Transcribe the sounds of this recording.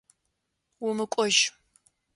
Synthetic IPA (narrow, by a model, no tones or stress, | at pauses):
wʊmɨkʷʼɔʒ